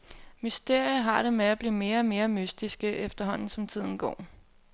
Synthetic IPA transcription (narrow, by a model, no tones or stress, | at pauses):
mysd̥e̝ɐ̰jəɦɑ̈ɾ̥e̝meæb̥liːme̝ːɐme̝ːɐmysd̥isɡ̥əʔefd̥ɐɦɒ̽n̰n̩sɒ̽mt͡sʰið̞̰ˠn̩ɡ̥ɒ̰ː